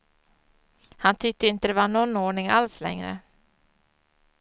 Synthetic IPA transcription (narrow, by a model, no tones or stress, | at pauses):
hant̪ʰʏk̚t̪əɪnt̪əd̪ɛvaɳɔnːoːɳɪŋalslɛ̰ŋɾə̰